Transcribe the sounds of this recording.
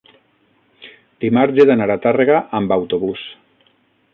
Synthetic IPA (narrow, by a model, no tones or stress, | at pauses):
d̪̥imaɾʒeðanaɾat̪areɣaʔambawt̪oβus